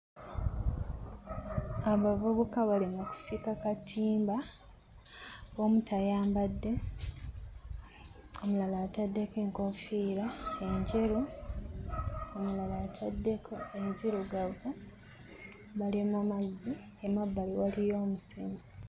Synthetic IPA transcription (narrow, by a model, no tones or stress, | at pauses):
aβavuβukaβalimuku̥sikakatiːmba | βo̞mutajaːmbadːe̞ | omulalaːtadːeke̞ːŋkofiɾae̞ɲɟe̞ɾu | omulalaːtʰadːekʰoenziɾuɡaɡu | βalimumazːi | emabːaliwalijo̞ːmusimi